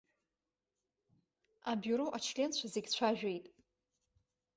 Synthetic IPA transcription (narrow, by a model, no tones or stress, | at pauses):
abuɾoʔat͡ʃʰlʲent͡ɕʷʰazeɡʲt͡ɕʷʰaʒᶣejtʼ